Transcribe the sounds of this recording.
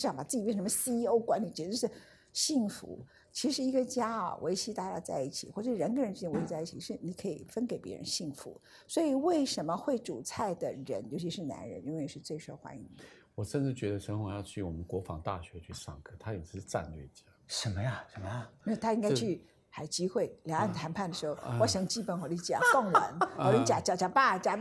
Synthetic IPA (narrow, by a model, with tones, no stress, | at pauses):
jɑ˧˥ŋpa˨˩t͡sɹ̩˥˩t͡ɕi˨˩pjɛ˥˧˩ʂmə˧si˥i˥o˥ʊkwa˧˥nli˨˩t͡ɕɥɛ˧˥o˧ʂɻ̩˥˩ | ɕi˥˩ŋfṵ˧˥ | t͡ɕʰi˧˥ʂɻ̩˧˥i˧˥ɡə˧t͡ɕja˥ɐ̰˩wʔe˧˥ɪɕi˧˥t̪a˥˧t͡ɕa̰˥˧t͡sa˥˧ɪi˥˩t͡ɕʰi˨˩xwɔ˥˩ʈ͡ʂə˨˩ʂɻ̩˥˧ɻə˧˥nkʰə˧˥˩ɻnʈ͡ʂɻ̩˥t͡ɕjn˧˥i˧˥t͡sa˥˧ɪi˥˩t͡ɕʰi˨˩ʂɻ̩˥˩ni˧˥kʰɤ˧˥i˨˩fə˥nke˨˩ɪpjɛ̰˧˥ɻə̰˧˥nɕi˥˩ŋfṵ˧˥ | swɔ˧˥i˨˩we˥˩ɪʂə˧˥nmə˧xwe˥˩ɪʈ͡ʂu˨˩t͡sʰa˥˩ɪd̪ə˩ɻə̰˧˥njo˧˥ʊt͡ɕʰi˧˥ʂɻ̩˥˩na̰˧˥nɻə̰˧˥ni˥nwe˥˩ɪ˧ʂɻ̩˥˧t͡swe˥˩ɪʂwo˥ʊxwa̰˧˥ni˧˥ŋwɔ˨˩ʂə˥˧nʈ͡ʂɻ̩˥˩t͡ɕɥɛ˧˥d̪ə˧ʂə˧˥xwa˨˥˩jɑ˥˧ʊt͡ɕʰy˥˩wɔ̰˨˩mə˦nkwɔ˧˥fɑ˧˥ŋt̪a̰˥˩ɕɥɛ˧˥t͡ɕʰy˥˩ʂɑ̰˥˩ŋkʰɤ˥˩t̪ʰa˥jɛ˨˩ʂ̩˧˥ʂ̩˧t͡sa̰˥˧nlɥɛ˥˩˨t͡ɕja˥˩ʂə˧˥nmə˦ja˥˧ʂə˧˥nmə˦ja˧˩i˥˧˩t̪ʰa˥i˥ŋka˥t͡ɕʰy˥˩ | xa˨˩ɪt͡ɕi˥xwe˥˩ɪljɑ˧˥ŋa˥˩nt̪ʰa˧˥npʰa˥˩nd̪ə˩ʂɻ̩˧˥xo˥˩ʊwɔ˧˥ɕjɑ˨˩ŋt͡ɕi˥˩pə˨˩nxwa˨˩li˥˩t͡ɕa̰˨˩˥kɑ˥˩ŋwə̰˧˥na˨˩li˧˥t͡ɕja˨˥t͡ɕjɑ˨˧˩t͡ɕja˨˧˩pa˥˩t͡ɕa˨˧˥